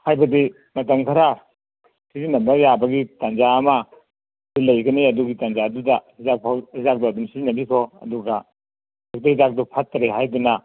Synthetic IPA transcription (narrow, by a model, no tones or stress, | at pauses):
hajbɐdi | mɐtɐmkʰɐɾa | sizinɐmɾajabɐɡitand͡ʒaɐmɐ | silɐjɡɐniɐduɡitand͡ʒaːdudɐhizak̚pʰawhizak̚duɐdumsizinɐbikʰoɐ̰duɡɐ | uk̚dahizak̚dupʰat̚ːɐɾeɦajdunɐ